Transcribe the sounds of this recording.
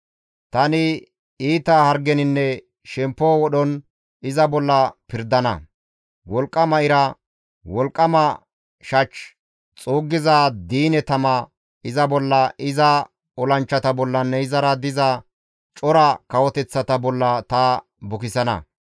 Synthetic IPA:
t̪ɐnɪ | iːt̪ɐhɐɾɡɛnɪnːɛ | ʃɛmpːoːwɔɗɔn | ɪzɐbɔlːɐpɪɾd̪ɐnɐ̰ | wɔlkʼːɐmɐɪɾɐ | wɔlkʼːɐmɐ | ʃɐt͡ʃː | t͡sʼuːɡːɪzaːd̪iːnɛt̪ɐmɐ | ɪzɐbɔlːɐʔɪzɐ | ɔlɐnt͡ʃːɐt̪ɐbɔlːɐnːɛɪzɐɾɐd̪ɪzɐ | t͡ʃʼɔɾɐkɐwɔt̪ɛt͡sːɐt̪ɐbɔlːɐt̪ɐː | bʊkɪsɐnɐ̰

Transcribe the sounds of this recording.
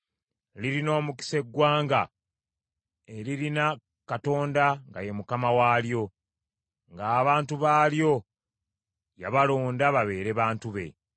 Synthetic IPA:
liɾino̞ːmuki̥se̞ɡːwaːŋɡa̰ | e̞liɾina | kato̞ːndaŋɡa̰je̞mukamawaːljo̞ | ŋɡaːβaːntuβaːljo̞ | jaβalo̞ːndaβaβe̞ːɾe̞βaːntuβe̞̰

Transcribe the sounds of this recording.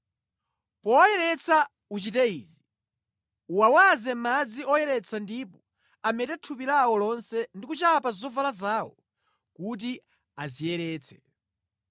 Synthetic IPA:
pɔjɛɾɛt͡sʰa | ut͡ʃitɛiːzi | uwawazɛmad͡ziɔjɛɾɛt͡sʰandiːpɔ | amɛtɛtʰupilawɔlɔnsɛndikut͡ʃapazɔvalazaːwɔ̰ | kut̬i | azijɛɾɛːt͡sʰɛ̥

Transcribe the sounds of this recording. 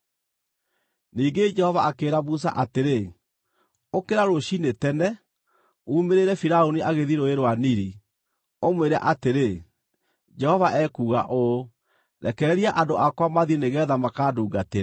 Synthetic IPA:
niːɡed͡ʒɛhɔvaakeːɾaβus̬a̰ʔateɾe | okeɾaɾoʃinetɛnɛ | uːmeɾeɾɛfiɾaoniʔaɣeðiɾoeɾwaniɾi | omweɾa̰ʔateɾe | d͡ʒɛhɔvaʔɛkuːɣa̰ʔo | ɾɛkɛɛɾiaʔandoʔakwamaðieneɣɛːðamakaduːɡate

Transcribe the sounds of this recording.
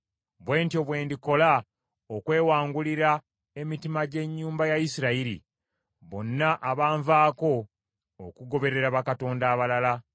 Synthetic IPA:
βwe̞ːntjo̞βwe̞ːndiko̞la | okwe̞ːwaːŋɡuliɾa | e̞mitimaɟe̞ɲːuːmbajajisiɾaiɾḭ | βo̞̰nːaʔaβaːɱvaːko̞ː | kuɡo̞βe̞ɾe̞ɾaβakato̞ːndaːβalala

